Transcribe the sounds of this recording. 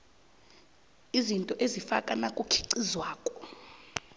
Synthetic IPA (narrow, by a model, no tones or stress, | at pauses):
izintʼɔʔezifakʼanakʼukʰi̥ǀizwaːkʼɔ̥